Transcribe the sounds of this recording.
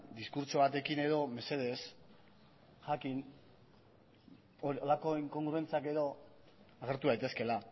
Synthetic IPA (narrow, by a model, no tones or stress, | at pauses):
d̪iskuɾt͡ʃo̞β̞at̪e̞kine̞ðo̞me̞se̞ð̞es | ʝakin | oolako̞iŋko̞ŋɡɾue̞nt͡sake̞ðo̞ | aɣ̞e̞ɾt̪uðajt̪e̞ske̞la